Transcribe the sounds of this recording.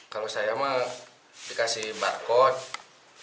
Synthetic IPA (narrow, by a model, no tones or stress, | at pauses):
kalosajama | dikasihbarkɔt̪̚